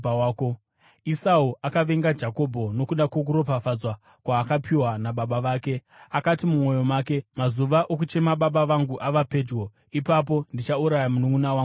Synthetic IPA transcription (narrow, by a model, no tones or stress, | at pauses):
ko | isauʔakaʋe̞ŋɡad͡ʒako̞bʱo̞no̞kuɗakwo̞k̬uɾo̞p̬afad͡zwa | kwaːkapʰiwanaɓaɓaʋaːke̞akatimumo̞jo̞maːke̞mazuʋaʔok̬ut͡ʃe̞maɓaɓaʋaŋɡuʔaʋape̞d͡ʒɡo̞ | ipap̬o̞ndit͡ʃauɾajamunuŋɡunawaːŋ